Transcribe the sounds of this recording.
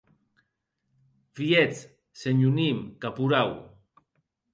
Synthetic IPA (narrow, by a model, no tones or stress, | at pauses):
viet͡s | seɲunimkapuɾaw